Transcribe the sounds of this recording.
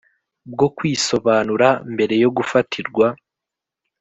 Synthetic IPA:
b̚ɡo̞kwiso̞βaːnuɾambe̞ɾe̞jo̞ɡufatʰiɾɡwa

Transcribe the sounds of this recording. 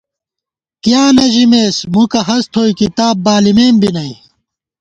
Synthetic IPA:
kjaːnɐʑimeːsmukɐɦɐst̪ʰoːikit̪aːbːaːlimeːmbinɐi

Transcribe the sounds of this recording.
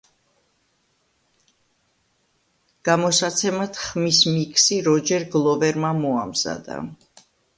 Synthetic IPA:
ɡ̥amɔsat̪sʰɛmat̪χmismikʰsiɾɔd͡ʒɛɾɡlˠɔvɛɾmamɔamz̥a̰d̪a̰

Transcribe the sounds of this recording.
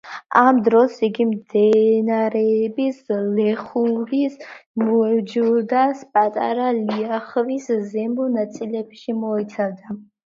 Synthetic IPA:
amd̪ɾɔsiɡimd̪ɛnaɾɛbislɛχurismuɛd͡ʒuld̪aspʼat̪ʼa̰ɾalijaχviszɛmɔnat͡s̪ʼilɛpʃimɔɛt̪t͡s̪ʰad̪a

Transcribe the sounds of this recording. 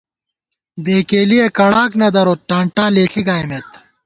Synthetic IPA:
beːkeːliekɐɽaːknɐd̪ɐɾoːʈaːɳʈaːleːɬiɡaːjmeːt̪

